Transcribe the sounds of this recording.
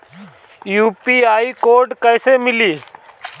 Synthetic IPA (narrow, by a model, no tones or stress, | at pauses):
juːpiːaːiːkoːɖkəɪseːmɪliː